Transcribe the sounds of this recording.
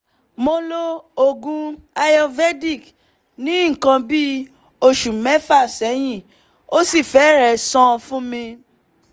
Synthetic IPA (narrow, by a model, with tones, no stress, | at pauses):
mo˧lo˦o˨ɡũ˨˧a˧jɔ˧vɛ˦di˦˨k | nĩ˨˦ŋ̩˨kã˧bi˦ | o˧ʃu˨mɛ˦fa˦˨sɛ˨˦j̃ĩ˦˨ | o˦si˦˨fɛ˨˦ɾɛ˨sɔ̃˦˧fũ˦mĩ˧